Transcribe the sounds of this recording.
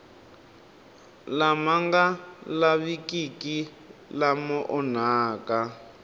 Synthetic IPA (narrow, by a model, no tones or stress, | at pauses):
lamaŋɡalaβikiki | lamɔʔɔnaːka